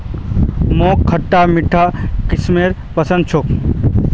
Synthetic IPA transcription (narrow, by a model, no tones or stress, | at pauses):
moːkʰːɐʈːamɪʈʰːakɪsmeːɾ | pɐsə̃nd̪t͡ʃʰok